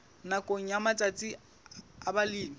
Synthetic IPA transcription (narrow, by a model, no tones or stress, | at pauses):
nakʼoŋ̩jamat͡sʼat͡sʼi | abaliːmi